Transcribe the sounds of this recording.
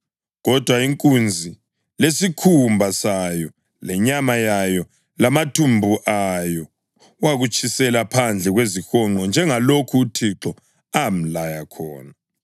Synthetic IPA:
ɣɔd̥ʱwaiŋkʼund͡zʱi | lesikʰumbʱasajɔ | lɛɲamajajɔ | lamatʰumbʱuʔajɔ | waɣut͡ʃʼʰisɛlapʰand͡ɮʱɛɣwezixɔŋ͡ǃɔnd͡ʒʱɛŋalokʰuːtʰiǁɔ | am̩lajakʰɔ̰ːna

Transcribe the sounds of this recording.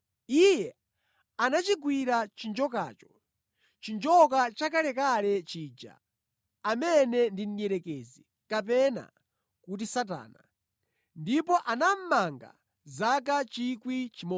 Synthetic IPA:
ijɛ | anat͡ʃiɡwiɾat͡ʃind͡ʒɔka̰ːt͡ʃɔ̥ | t͡ʃind͡ʒɔk̬at͡ʃakalɛkalɛt͡ʃiːd͡ʒa̰ | amɛnɛndin̩jɛɾɛkɛzi | kap̬ɛna̰ | kut̬isat̬a̰ːna | ndipɔʔanam̩maŋɡa̰ | zak̬at͡ʃikwit͡ʃimɔ

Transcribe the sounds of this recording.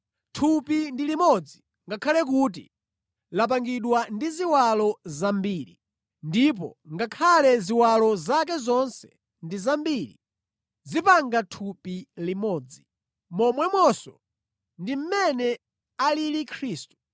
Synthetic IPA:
tʰupindilimɔd͡zi | ŋɡakʰalɛk̬uːt̬ḭ | lap̬aŋɡiɗwandiziwalɔzambiːɾḭ | ndip̬ɔ̰ŋɡakʰalɛziwalɔzakɛzɔnsɛ̥ | ndizambiɾḭ | zipaŋɡatʰupilimɔːd͡zi | mɔmwɛmwɔsɔ | ndim̩mɛnɛ | alilikʰɾiːstu̥

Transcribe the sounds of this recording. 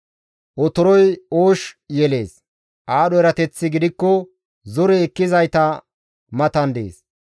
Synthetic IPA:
ʔɔt̪ɔɾɔjoːʃjɛle̞ːs | ʔaːɗɔɛɾɐt̪ɛt͡sːɪɡɪd̪ɪkːɔ | zɔɾɛːkːɪzɐjt̪ɐ | mɐt̪ɐnd̪ḛːs

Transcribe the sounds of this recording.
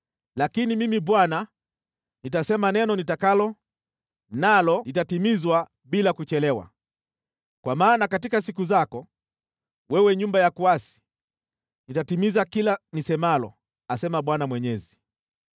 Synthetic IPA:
lakinimimiɓwana | nitasɛmanɛnɔnitakalɔ | nalɔlitatimizwa | ɓilakut͡ʃɛlɛwa̰ | kwamaːnakatikas̬ikuzakɔ | wɛwɛɲumbajakuasi̥ | nitatimizakilanisɛmalɔ̰ | asɛmaɓwanamwɛɲɛzi

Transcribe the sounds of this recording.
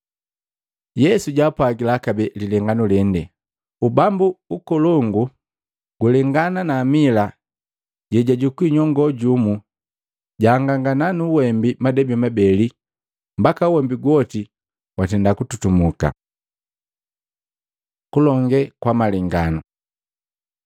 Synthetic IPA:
jɛsuɟapwaɡilakabɛlilɛŋɡanulɛndɛ | ubambuukɔlɔŋɡu | ɡ̥ulɛŋɡananaːmila | ɟɛɟaɟukwiɲɔŋɡɔɟumu | ɟaːŋɡaŋɡananuwɛmbimadɛbimabɛli | mbakauwɛmbiɡwɔti | watɛndakututumuka̰ | kulɔŋɡɛkwamalɛŋɡanu

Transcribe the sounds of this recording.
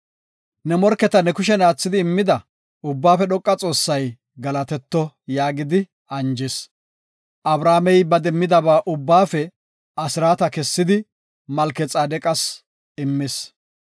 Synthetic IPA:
nɛmɔɾkːɛt̪ɐnɛkʊʃ̬ɛnaːt͡sːɪd̪ɪːmːɪd̪ɐ | ʊbːaːfɛɗɔkʼːɐt͡sʼo̞ːsːɐj | ɡɐlɐt̪ɛt̪ːɔ | jaːɡɪd̪ɪ | ɐnd͡ʒɪs | ʔɐbɾaːmɛjbɐd̪ɛmːɪd̪ɐβaːʔʊbːaːfɛ | ɐsɪɾaːt̪ɐkɛsːɪd̪ɪ | mɐlkɛt͡sʼaːd̪ɛkʼɐs | ɪmːɪs

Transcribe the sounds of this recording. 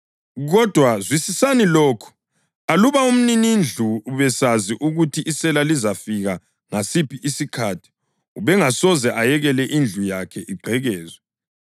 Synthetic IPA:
ɣɔd̥ʱwazwisisaniloːkʰu̥ | aluβaum̩ninind͡ɮʱuːβɛsaziʔuɣutʰiʔisɛlalizafiɣa | ŋasipʰiʔisikʰatʰi̥ | uβɛŋasɔzɛʔajɛɣɛlɛʔind͡ɮʱujakʰɛʔiɡ͡ǃʱɛɣɛːzwɛ

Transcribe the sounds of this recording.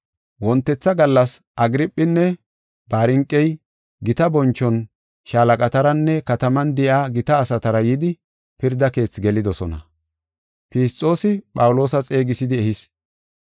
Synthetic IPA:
wɔnt̪ːɛt͡sːɐɡɐlːɐs | ʔɐɡɪɾɪpʼːɪnːɛ | b̥aːɾɪŋkʼːɛj | ɡɪt̪ɐbɔnt͡ʃːɔn | ʃaːlɐkʼɐt̪ɐɾɐnːɛkɐt̪ɐmɐnd̪ɛʔaːɡɪt̪ɐːsɐt̪ɐɾɐjɪd̪ɪ | pɪɾd̪ɐke̞ːt͡sːɡɛlɪd̪ɔsɔnɐ̰ | pɪst͡sʼːo̞ːsɪpʼɐwʊlo̞ːsɐt͡sʼe̞ːɡɪsɪd̪ɪɛhɪs

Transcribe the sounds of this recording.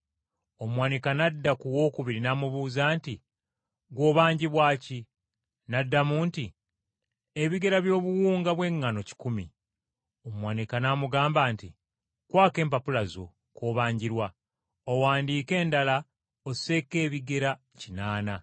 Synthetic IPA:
omwanikanadːakuwo̞ːkuβiɾinamuβuːzaːnti | ɡwo̞ːβaːɲɟiβwaːci | nadːamuːnti | e̞βiɡe̞ɾaβjo̞ːβuwuːŋɡaβwe̞ŋːano̞ci̥kumḭ | omwanikanaːmuɡaːmbaːntḭ | kwaːke̞ːmpapulazo̞̰ | ko̞ːβaːɲɟiɾwa | owaːndiːke̞ːndala | ose̞ke̞ːβiɡe̞ɾa | cinaːna

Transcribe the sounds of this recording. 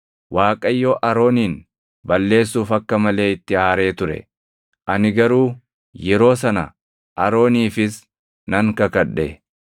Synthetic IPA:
wʔaːkʼɐjːoːʔɐɾo̞ːniːn | bɐlːe̞ːs̬ːuːfɐkːɐmɐle̞ːɪt̪ːɪaːɾe̞ːt̪ʊɾɛ̰ | ʔɐnɪɡɐɾuː | jɛɾo̞ːs̬ɐnɐ̰ | ʔɐɾo̞ːniːfɪs | nɐŋkɐkɐᶑːḛ

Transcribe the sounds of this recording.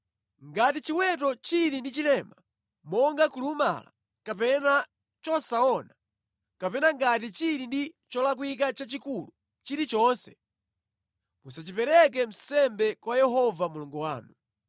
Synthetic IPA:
ŋɡatit͡ʃiwɛtɔt͡ʃiɾindit͡ʃilɛma | mɔŋɡakuluma̰la̰ | kapɛna | t͡ʃɔsaɔna | kapɛnaŋɡat̬it͡ʃiɾindit͡ʃɔlak̬wik̬at͡ʃat͡ʃikulu | t͡ʃiɾit͡ʃɔnsɛ̥ | musat͡ʃipɛɾɛk̬ɛm̩sɛmbɛkwajɛɦɔvamulɔŋɡuwaːnu

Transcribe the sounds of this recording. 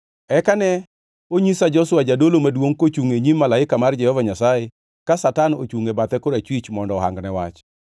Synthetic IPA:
ɛkanɛ | oɲisad͡ʒɔswad͡ʒadolomadwoŋkot͡ʃuŋeɲimːalaɪkamard͡ʒɛhɔvaɲasajɪ | kasatano̰t͡ʃuŋebat̪ɛkoɾat͡ʃwit͡ʃmɔndɔːɦa̰ŋɡnɛwat͡ʃ

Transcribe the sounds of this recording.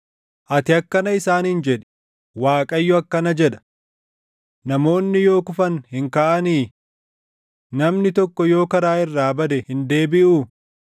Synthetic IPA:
ʔɐt̪ɪɐkːɐnɐɪsaːnhɪnd͡ʒɛᶑɛ̥ | waːkʼɐjːɔɐkːɐnɐd͡ʒɛᶑɐ̥ | nɐmo̞ːnːɪjo̞ːkʊfɐnhɪŋkaːʔɐniː | nɐmnɪt̪ɔkːɔjo̞ːkɐɾaːɪrːaːbɐd̪ɛhɪnd̪e̞ːbɪʔuː

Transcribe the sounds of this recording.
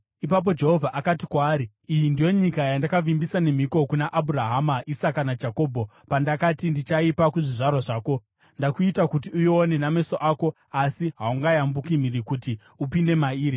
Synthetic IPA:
ipap̬o̞d͡ʒe̞ɦo̞vʱaʔakatikwaːɾiːjindijo̞ɲikajandakaʋimbisane̞m̤iko̞kunaʔaburaɦamaʔisakanad͡ʒako̞ːbʱo | pandakatindit͡ʃaipakuʐiʐarwaʐaːko̞ | ndakuitakutiujone̞name̞soʔaːko̞ | asiɦauŋɡajambukimiɾikuti | upinde̞maiːɾi

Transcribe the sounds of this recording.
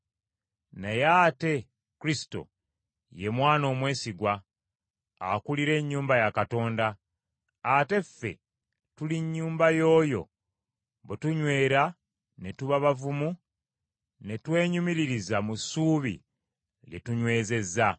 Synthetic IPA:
nejaːte̞ | kuɾisi̥to̞̰ | je̞mwaːno̞ːmwe̞ːsiɡwa | a̰kuliɾe̞ɲːuːmbajakato̞ːndaː | te̞fːe̞̰ | tuliɲːuːmbajo̞ːjo̞̰ | βetuɲwe̞ːɾa | ne̞tuβaβavumu | ne̞twe̞ːɲumiɾiɾizamusuːβḭ | ɡe̞̰tuɲwe̞ːze̞zːa

